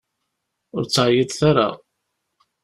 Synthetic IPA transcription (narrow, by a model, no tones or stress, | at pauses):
ʊɾt͡sːʕjɪd̪θaɾa̰